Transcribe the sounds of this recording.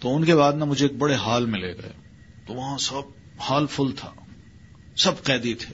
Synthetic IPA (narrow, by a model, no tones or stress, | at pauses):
t̪oʊnkebaːd̪namʊd͡ʒʱeːk̚bɐɽeɦaːlmɪ̃leɡɐ̰ḛː | t̪oʋɐɦãsɐb̚ | haːlfʊlt̪ʰa̰ː | sɐbqɛːd̪it̪ʰeː